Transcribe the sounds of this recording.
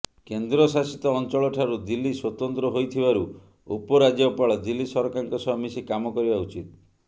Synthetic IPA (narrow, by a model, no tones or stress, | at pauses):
kend̪ɾɔsasit̪ɔːnt͡ʃɔɭɔʈʰaɾud̪ilːiswɔt̪ɔnt̪ɾɔɦojt̪ʰibaɾu | upɔɾad͡ʒɔpaɭɔd̪ilːisɔɾɔkaŋkɔsɔɦɔmisikamɔkɔɾibaut͡ʃit̪̚